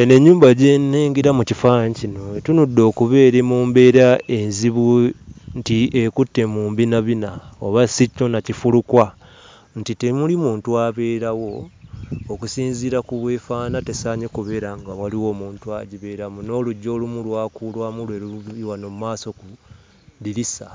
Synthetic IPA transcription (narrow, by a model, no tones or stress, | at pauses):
ene̞ɲːuːmbaɟeneːŋɡiɾamucifaːɲcino̞tunudːo̞ːkuβe̞ːɾemuːmbe̞ːɾae̞nziβuntiekutːe̞muːmbinaβinaoβasiconacifulukwa | ntite̞mulimuːntuaβe̞ːɾawo̞ː | kusiːnziːɾakuβwe̞ːfaːnate̞saːɲekuβe̞ːɾaŋɡawaliwo̞ːmuːntua̰ɟiβe̞ːɾamuno̞ːluɟːo̞ːlumulwaːkulwaːmulweɾuiwanomumaːso̞ku | ðiɾisa